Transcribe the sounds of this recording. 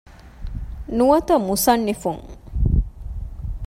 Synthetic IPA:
nuɐt̪ɐmusɐnːifuŋ

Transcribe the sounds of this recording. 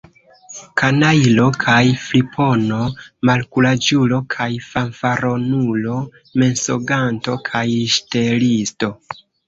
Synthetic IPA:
kanajilo̞kʰajflipʰo̞no̞malkulad͡ʒulo̞kʰajfanfaɾo̞nulo̞ | me̞nso̰ɡanto̞kʰajʃtelisto̞

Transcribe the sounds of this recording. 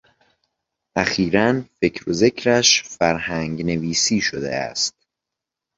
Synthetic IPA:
ʔæxiːɾænfe̞cʰɾoze̞cʰɾæʃfæɾhæŋɟne̞viːsiːʃod̪e̞̰æ̰st̪̚

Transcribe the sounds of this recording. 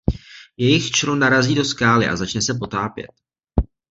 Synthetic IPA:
jɛjɪxt͡ʃɾonaɾaziːdo̞skaːlɪʔa̰zat͡ʃnɛsɛp̬o̞t̪aːpjɛ̰t̪̚

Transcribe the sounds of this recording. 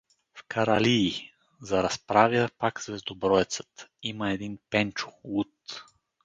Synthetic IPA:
fkɐɾɐliː | zɐɾɐspɾavjəpakzvɛzd̪obɾɔɛt̪sə̥t̪iməɛd̪inpɛnt͡ʃʊ̥lˠut̪

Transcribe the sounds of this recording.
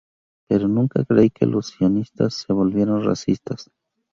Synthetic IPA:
pe̞ɾonũŋkakɾeike̞̰lʔosio̞nist̪asːe̞βo̞lβje̞ɾo̞nra̰sist̪as

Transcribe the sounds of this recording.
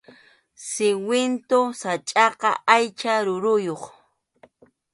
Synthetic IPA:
sɪwɪnt̪osat͡ʃʼɑqɑ̰ʔajt͡ʃaɾʊɾʊjoχ

